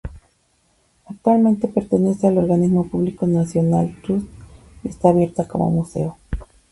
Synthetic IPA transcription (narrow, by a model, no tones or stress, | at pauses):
ak̚t̪walmẽnt̪e̞pe̞ɾt̪e̞ne̞sealo̞ɾɣanizmo̞puβliko̞nasjo̞nalt̪ɾus | ie̞st̪aːβje̞ɾt̪ako̞̰mo̞̰muse̞̰o